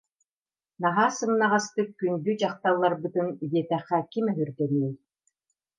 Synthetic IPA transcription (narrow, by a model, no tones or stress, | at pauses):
naɦaːsɯmnːaʁast̪ɯkːynd̪yd͡ʑaχt̪alˠːaɾbɯt̪ɯnijiɛt̪ɛχːɛkimœɦyɾd̪ɛniːj